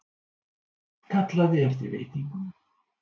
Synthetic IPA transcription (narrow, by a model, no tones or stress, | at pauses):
kʰat̪laðɪɛɾ̥t̪ḭvḛːjt̪niŋkm